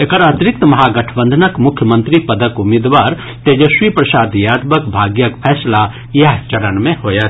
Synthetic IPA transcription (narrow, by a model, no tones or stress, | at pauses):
ekəɾat̪ɾɪk̚t̪mɐɦaɡɐʈʰbə̃nd̪ʱənəkmʊkʰjəmə̃nt̪ɾipɐd̪əkumid̪ʋaːɾ | t̪ed͡ʒəʃʋipɾɐsaːd̪jaːd̪bəkbʱaːɡjəkpʰɛːsla | jɐɦt͡ʃɐɾənmẽhoːjat̪